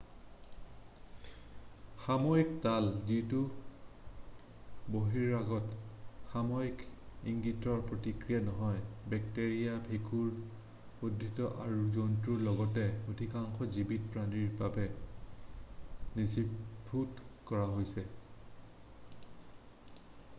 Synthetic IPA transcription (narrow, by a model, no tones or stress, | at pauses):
xamɔjik̚talzitu | boɦiɹaɡɔtxamɔjikiŋɡitɔɹpɹotikɹijanɔɦɔjbɛk̚teɹijabʰʱekuɹ | odʱitɔʔaɹuzontɹuɹlɔɡɔtɛodʱikaŋxɔzibitpɹaniɹbabɛ | nisibʰʱutkɔɹaɦojsɛ